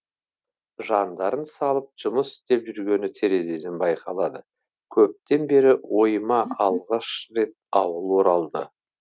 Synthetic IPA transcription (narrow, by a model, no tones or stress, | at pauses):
ʒɑnd̪ɑɾənsɑlˠəp̚ʒ̥ʊməsɪ̥st̪e̞pʒʏɾɡʲe̞nɪt̪ʰeɾe̞ze̞d̪ɪnbɑjqɑlˠɑd̪ə | kʲʰɵp̚t̪e̞nbe̞ɾɪwo̞jmɑɑlˠʁɑʃɾe̞t̪̚ɑwəlˠwo̞ɾɑlˠd̪ə